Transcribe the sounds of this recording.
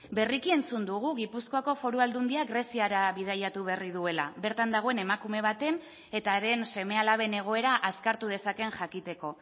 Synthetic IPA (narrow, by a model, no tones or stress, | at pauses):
be̞rikie̞nt͡sund̪uɣ̞uɣipusko̞ako̞fo̞ɾuald̪und̪iaɡre̞siaɾaβið̞ajat̪uβ̞erið̞ue̞la̰βe̞ɾt̪and̪aɣ̞o̞e̞ne̞makume̞β̞at̪e̞n | e̞t̪aɾe̞nse̞me̞alaβ̞e̞ne̞ɣ̞o̞e̞ɾaʔaskaɾt̪uð̞e̞sake̞nʝakit̪e̞ko̞